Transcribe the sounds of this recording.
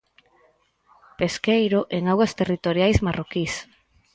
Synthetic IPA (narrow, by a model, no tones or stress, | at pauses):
peskejɾʊʔeŋawɣɐst̪erit̪oɾjajzmarokis